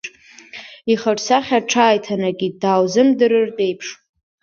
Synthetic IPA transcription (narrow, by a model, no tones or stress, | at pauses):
iχaʈ͡ʂsaχʲaʈ͡ʂʰaːjtʰanaɡʲidaːwzɨmdɨɾɨrtʼe̞jpʰʂ